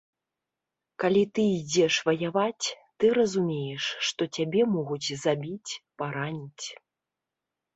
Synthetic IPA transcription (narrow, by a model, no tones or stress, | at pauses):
kalʲit̪ɨid͡zʲɛʂvɐjavat͡sʲ | t̪ɨɾɐzumʲejɛʂːt̪ɔt͡sʲabʲɛmɔɣud͡zʲzabʲit͡sʲpaɾanʲit͡sʲ